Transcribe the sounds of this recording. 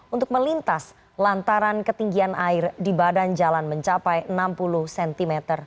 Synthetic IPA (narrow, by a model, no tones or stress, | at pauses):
unt̪ʊk̚məlint̪as | lant̪aɾankət̪iŋɡianʔaɪrdibadand͡ʒalanməɲt͡ʃapajənampuluhsɛnt̪imɛt̪ər